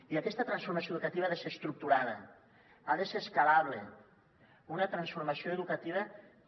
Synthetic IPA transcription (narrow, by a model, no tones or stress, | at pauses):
iakɛst̪ət̪ɾansfuɾmasioðukat̪iβaðesest̪ɾuk̚t̪uɾaðə̰ | aðeseskalaβle | unɐt̪ɾansfuɾmasioeðukat̪iβ̞ə